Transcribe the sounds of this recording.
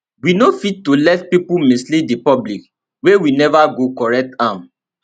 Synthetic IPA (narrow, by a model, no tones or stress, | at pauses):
winofitːolɛtpipumĩslidepɔblik | wewinɛvaɡokɔɹɛk̚tãm